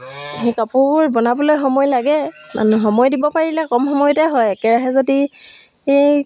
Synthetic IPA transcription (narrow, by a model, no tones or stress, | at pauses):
ɦekapʊbʊɹbɔnabɔlojxɔmɔjlaɡɛmʔa̰nuxɔmɔjdibɔpaɹilɛkɔmxɔmɔjtɛɦɔjɛkɛɹaɦɛzodi | ej